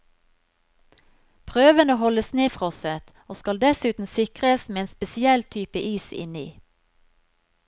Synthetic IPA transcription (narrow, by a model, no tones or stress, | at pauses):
pʰʁøːʋənoːhɔləsneːfʁɔsət̪ | oːskɑld̪ɛsʉːt̪n̩sɪkʁəsmeːeːnspɛsɪɛlt̪ʰyːpəʔiːsɪ̰nḭː